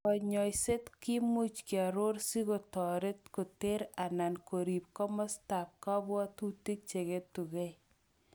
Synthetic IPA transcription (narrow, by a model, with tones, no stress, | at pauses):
ɔ˨ɲɔ˨jse˦tki˦mu˦t͡ʃki˨a˨ɾo˦ɾsi˦ɡo˨tɔ˨ɾe˦tko˨te˦ɾa˨na˨nko˨ɾi˨p̚kɔ˦mɔ˦sta˨p̚ka˦bɔ˦tu˦ti˦k̚t͡ʃe˨ɡe˦tːu˨ɡe˦j